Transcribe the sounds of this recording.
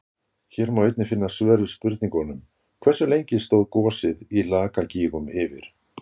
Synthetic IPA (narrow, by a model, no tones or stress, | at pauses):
çɛɾmawejt̪nɪfɪnːasvœːɾɪspʏɾt̪niŋkɔnʏm | kʰvɛrsʏlejɲcɪst̪oːwðkɔːsɪðilaːkaciːɣʏmɪvɪɾ̥